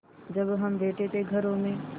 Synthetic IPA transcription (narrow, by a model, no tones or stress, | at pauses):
d͡ʒəbɦɐmbeːʈet̪eɡʱəɾõmẽ